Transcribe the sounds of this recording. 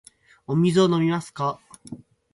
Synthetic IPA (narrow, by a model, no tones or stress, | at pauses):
omʲizono̞mʲimasɨ̥ka